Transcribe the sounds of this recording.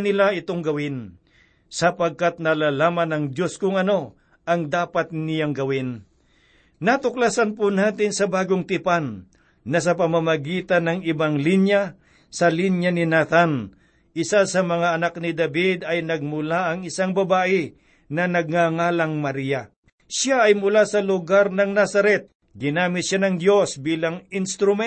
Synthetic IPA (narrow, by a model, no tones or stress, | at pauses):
nɪlaʔɪt̪oŋɡɐwɪn | sɐpɐɡ̚kat̪̚nɐlaːlaːmɐnɐŋd̪jo̞skʊŋɐno̞ | ʔɐŋd̪aːpat̪̚nɪjaŋɡɐwɪn | nat̪ʊklasanpʊnaːt̪ɪnsɐbaːɡoŋt̪ɪpanː | ɐs̬ɐpɐmamɐɡiːt̪ɐnɐŋɪbaŋlinja | sɐlinjɐnɪnat̪an | ʔɪsasɐmɐŋaɐnak̚nɪd̪ɐbid̪ɐjnɐɡ̚mʊlaɐŋɪsaŋbɐbaːʔɪ | nɐnɐɡ̚ŋaŋaːlɐŋmɐɾija | ʃaɐjmʊlasɐlʊɡaɾnɐŋnasɐɾɛt̪̚ | ɡɪnaːmɪt̪ʃanɐŋd̪jo̞sbiːlɐŋɪnst̪ɾʊmɛ